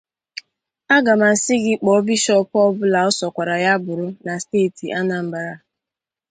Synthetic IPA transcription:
a˦ɡa˨ma˨n̩˨sɪ˦ɡɪ˦k͡pɔ˨˦bi˦ʃɔ˦pɔ˦bʊ˦la˨ɔ˦sɔ˨kʷa˨ɾa˨ja˦bʊ˨ɾʊ˦na˨steː˦˨ti˨ʔa˦na˨m̩˨ba˨ɾa˨

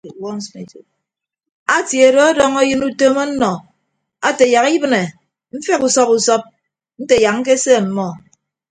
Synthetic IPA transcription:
wɔ˦n̩˦sme˨to̰˨ | a˦tje˨do˦a˦dɔ˦ŋa˦jɨ˦nu˦toː˦mɔ˦n̩˦nɔ˨ | a˦te˨ja˨ki˦bɨ˦ne˨ | m̩˦fe˦ku˨sɔ˦pu˨sɔ˦p̚ | n̩˦te˨ja˨k̚ŋ̩˦k̬e˦se˦˨m̩˨mɔ˦

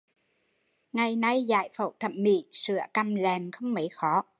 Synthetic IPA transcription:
ŋa˨˩jna˧jza̰ː˧˩˦jfə̰˧˩wt̪ʰə˨˩m̚mḭ˧˩sɨ˧˩˦əka˧˩mlɛː˨˩mxə˧wŋ͡mmə˨˦jxɔ˨˦

